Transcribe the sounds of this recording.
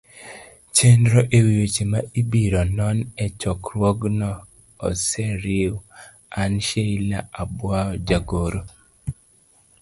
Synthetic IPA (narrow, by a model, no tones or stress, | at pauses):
t͡ʃendɾoʔewijot͡ʃemaʔibiɾɔnɔnɛt͡ʃɔkɾwɔɡnɔ̰ː | sɛɾiw | anʃeilaabwaɔd͡ʒaɡoɾo